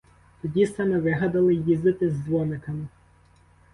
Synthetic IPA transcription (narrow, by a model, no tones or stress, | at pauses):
t̪ɔdʲisɑmɪʋɪɦɐd̪ɐlˠɪjizd̪ɪt̪ɪzːʋɔnɪkɐmɪ